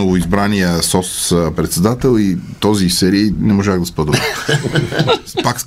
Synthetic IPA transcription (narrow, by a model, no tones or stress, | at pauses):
ovoizbɾaniəsɔssəpɾɛt̪sɛd̪at̪ɛlˠit̪ɔzisɛɾiːnɛmoʒaɣd̪ɐspɤd̪ə | paks